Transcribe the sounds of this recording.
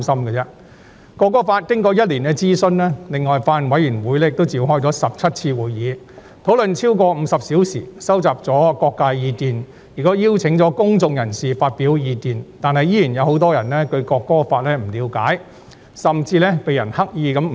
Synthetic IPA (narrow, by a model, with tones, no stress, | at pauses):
sɐ˥mkɛ˧t͡sɛ˥ | kɔː˧kːɔː˥faː˧t̚kɪ˥ŋkɔː˨˧jɐ˥t̚liː˨˩nkɛ˧t͡siː˥sɵ˥nlɛː˥lɪ˨ŋːɔː˨jfaː˧nwɐ˨˥jyː˨˩nwuː˨˥jlɛː˥jɪ˨k̚t̪o˥wt͡siː˨˧wɦɔː˥jt͡sɔ˨˧˥sɐ˨p̚t͡sʰɐ˥t̚t͡sʰiː˧wuː˨jjiː˨˧ | t̪ʰo˨˥wlɵ˨nt͡sʰiː˥wkɔː˧m̩˨˧sɐ˨p̚siː˨˥wsḭː˨˩sɐ˥wt͡saː˨˩p̚t͡sɔː˨˥kɔː˧k̚kaː˧jjiː˧t̪iː˨n | jiː˨kɔː˥jiː˥wt͡sʰɪ˨˥ŋt͡sɔː˨˥kʊ˥ŋt͡sʊ˧ŋjɐ˨˩nsiː˨faː˧t̚piː˨˥wjiː˨˧t̪iː˨nt̪aː˨nɦɐ˨jiː˥jiː˨˩njɐ˨˧wɦo˨˥wt̪̬ɔː˥jɐ˨˩nlɛː˥kɵ˧ɥkɔː˧kːɔː˥faː˧t̚lɛː˥m̩˨˩liː˨˧wka̰ː˨˥j | sɐ˨mt͡siː˧lɛː˥pe˨˧jɐ˨˩nhɐ˥k̚jiː˨˧kɐ˨˥m˨